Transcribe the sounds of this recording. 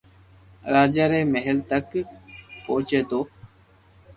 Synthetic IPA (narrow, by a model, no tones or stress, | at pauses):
ɾaːd͡ʒaːɾeːmeɦəlt̪ək | poːt͡ʃeːt̪oː